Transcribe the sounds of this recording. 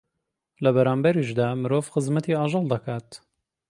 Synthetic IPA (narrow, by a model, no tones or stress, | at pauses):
lɐbɐɾaːmbɐɾiʃd̪aːmɨɾoːvxɨzmɐt̪iaːʒɑlˠd̪ɐkʰaːt̪